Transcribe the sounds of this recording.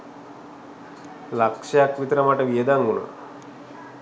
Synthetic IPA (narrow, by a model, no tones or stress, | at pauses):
lakʂɐjakʋit̪əɾəmaʈəʋijəd̪aŋɡuna̰ː